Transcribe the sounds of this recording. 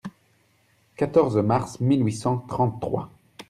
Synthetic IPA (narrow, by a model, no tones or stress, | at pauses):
kat̪ɔʁzmaʁsmilɥisɑ̃t̪χɑ̃t̪ːχwa̰